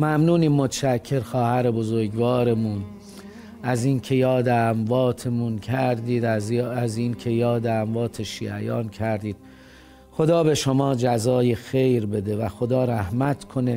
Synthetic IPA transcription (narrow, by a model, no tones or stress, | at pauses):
mæmnuːniːmːot̪ʰʃæcʰːe̞ɾxɒːhæɾebozoɾɡvɒːɾemun | æziːnkʰe̞jɒːd̪eæmvɒːt̪ʰe̞muncʰæɾd̪iːd̪æziːnkʰe̞jɒːd̪eæmvɒːt̪ʰe̞ʃḭːʔæ̰jɒ̰ːncʰæɾd̪iːd̪̥̚ | xo̞d̪ɒːbe̞ʃo̞mɒːd͡ʒæzɒːjexe̞jɾbe̞d̪e̞væxod̪ɒːɾæhmæt̪ʰkʰo̞ne̞